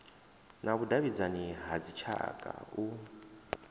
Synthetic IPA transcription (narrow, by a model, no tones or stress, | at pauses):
naβudaβid͡zaniɦad͡zit͡ʃʰa̰kʼa̰u